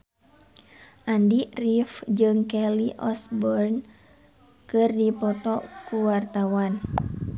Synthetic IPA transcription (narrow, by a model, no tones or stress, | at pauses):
ʔandirifd͡ʒɨŋkɛliʔɔsbɔrn | kɨrdipɔt̪ɔkuwart̪awan